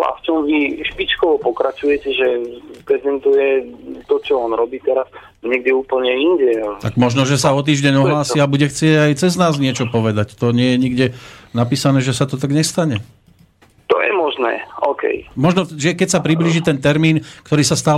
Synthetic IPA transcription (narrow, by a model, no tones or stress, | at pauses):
a̰ft͡ʃɔmʋiʃpit͡ʃkɔʋɔpɔkɾat͡ʃujɛcɛʒɛpɾɛzdɛnt̪ujɛt̪ɔt͡ʃɔɔnɾɔbiːt̪ɛɾas | ɲɛɡ̚d̪iuːpl̩ɲɛinɟɛt̪aɡmɔʒnɔʒɛsaɔt̪̬iːʒɟɛɲɔɦllaːsiabuɟɛxt͡sɪɛɟajt͡sɛznaːzɲɪɛt͡ʃɔpɔʋɛd̪act̪ɔɲɪɛjɛɲiɡɟɛnapiːsanɛːʒɛsat̪ɔt̪aɡɲɛst̪aɲɛ | t̪ɔjɛ̰mɔʒnɛ̰ːɔːkɛ̰jmɔʒnɔʒɛkɛcsapɾibliːʒit̪ɛnt̪ɛɾmiːnkt̪ɔɾiːsast̪aː